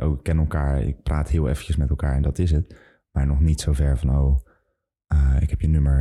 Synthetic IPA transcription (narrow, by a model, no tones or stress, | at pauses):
ʔo̰wɪkːɛnɛlˠkaːɹɪ̰k̚praːtɦɪːlˠḛːfəcəsmɛtɛlˠkaːɹɛndɑtɪs̬ət | maːɹnɔχnitsowvɛɹvɑnow | əɪ̰kɦɛpjənøməɹ